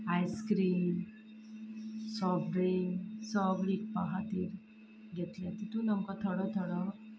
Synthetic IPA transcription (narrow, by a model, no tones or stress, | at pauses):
ajskɾiːn | sɔbɖɾiŋsɔɡɭik̚paɦat̪iːɾ | ɡʱet̪ljat̪it̪ũnəmkat̪ʰəɽɔt̪ʰəɽɔ